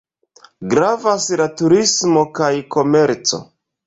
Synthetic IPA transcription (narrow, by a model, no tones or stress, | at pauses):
ɡɾavaslatuɾismo̞kajko̞me̞ɾt͡so̞̰